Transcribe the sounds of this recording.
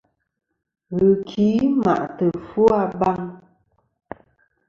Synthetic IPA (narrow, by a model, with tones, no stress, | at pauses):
ɣɨ˨kʰi˨˦ma̰˨ʔtə˨fo˦a˧ba˦˧ŋ